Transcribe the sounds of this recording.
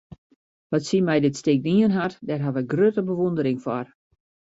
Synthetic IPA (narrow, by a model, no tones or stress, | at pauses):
ʋɔtsimɛjdɪtstɪk̚niənɦartdɛrɦaʋɛɡrøtəbəʋondəɾɪŋfɔr